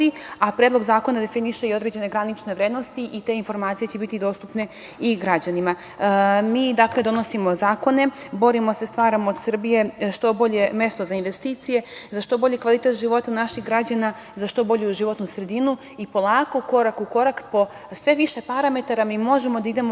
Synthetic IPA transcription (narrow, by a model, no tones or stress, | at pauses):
iapɾed̪lˠo̞ɡzaːko̞nad̪e̞finiʃeio̞d̪ɾe̞d͡ʑe̞ne̞ɡɾanit͡ʃne̞ʋɾeːd̪no̞st̪iʔit̪e̞ːinfo̞ɾmaːt̪ije̞t͡ɕe̞bit̪id̪o̞ːst̪upne̞ | iɡɾad͡ʑanima | miːd̪akle̞d̪o̞nosimo̞zaːko̞ne̞bo̞ɾimo̞se̞st̪ʋaːɾamood̪sr̩bije̞ʃt̪o̞bo̞ʎe̞me̞st̪o̞zainʋe̞st̪iːt̪sije̞zaʃt̪o̞bo̞ʎikʋalˠit̪e̞t̪ʒiʋo̞t̪anaʃiɣɡɾad͡ʑana | zaʃt̪o̞bo̞ʎuʒiʋo̞t̪nusɾe̞d̪inu | ipo̞lˠaːko̞ko̞ɾakuko̞ɾakpo̞ | sʋe̞ʋiʃe̞paɾame̞t̪aɾamimo̞ʒe̞mod̪aid̪e̞mo